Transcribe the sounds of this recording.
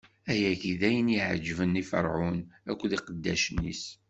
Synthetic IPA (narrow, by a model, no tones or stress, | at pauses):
æjækiðæjəniʕə̰d͡ʒːvənːifə̰ɾˤʕunækʷːðiqəd̪ːæʃənḭs